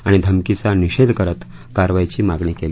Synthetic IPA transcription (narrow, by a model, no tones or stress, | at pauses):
aɽ̃id̪ʱəmkit͡saniɕed̪ʱkəɾət̪ | kaɾʋajt͡ɕiːmaɡɳiːkel